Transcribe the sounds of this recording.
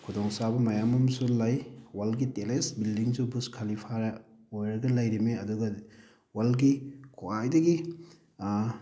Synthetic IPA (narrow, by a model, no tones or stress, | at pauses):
kʰudɔŋsabɐmɐjamɐmsulajwalɡitelesbildiŋzubuskʰalipʰaɾɐ | ojɾɐɡɐlajɾimeɐduɡɐ | walɡikʰuajdɐɡi